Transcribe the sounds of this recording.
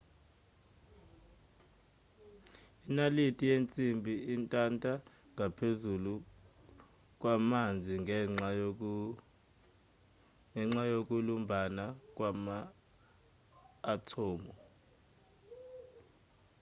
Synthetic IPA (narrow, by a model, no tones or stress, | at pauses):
inalitʼijent͡sʼimbʱiintʼantʼa | ŋapʰezulu | k̬ʼwamand͡zʱiŋa | ŋɛŋ͡ǁajok̬ʼulumbʱanak̬ʼwama | tʰɔːmɔ